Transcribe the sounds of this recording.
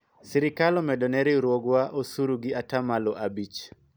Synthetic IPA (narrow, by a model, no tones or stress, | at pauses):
siɾɪkalɔmɛdɔnɛɾiɾwɔɡwaʔosuɾuɡɪatamalɔʔabit͡ʃ